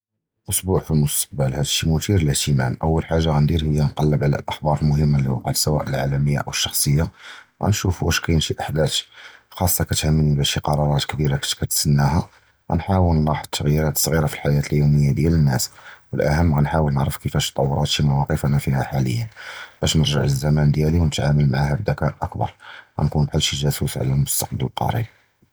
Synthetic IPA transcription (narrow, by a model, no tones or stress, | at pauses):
ʔʊsˤbuʕfilmʊst̪ə̥q̚bəlhæd̪ʃːimʊt̪iɾləht̪əmæ̰mʔəwːəlħaʒːaɣænd̪iɾhəjːænqɑlːəbʕlæ̰lʔəxbɑɾˤəlmʊhəmːalːihuqaʕd̪sæwæ̰ʔəlʕalæməjːa̰ʔəwəʃːɑxsˤəjːaɣæ̰nʃufwæʃkæjənʃiʔəħd̪æt̪xɑsˤːɑkæt̪həmːənibæʃiqɑɾˤɑɾˤɑt̪kbiɾakkæt̪sənːæhæ | ɣæ̰nħawəlnɾˤɑħəd̪̚t̪ʰːəɣjiɾæt̪ə̥sˤɣiɾafilħajæt̪əljuməjːad̪jælənːæswəlʔæ̰həmːɣænħawəlnəʕɾəfkəfæʃt̪ˤːɑwːɾˤɑt̪ʃimɑwɑqəfnafihæħalə̰jːənb̥æʃnəɾʒəʕəzːæmænd̪jæliwnət̪ʕaməlmaʕahæbd̪ækæʔʔəkbɑ̰ɾˤɣæ̰nkunbħəlʃiʒæsusʕ̰lælmʊst̪ɑq̚b̪llqɑ̰ɾˤḭ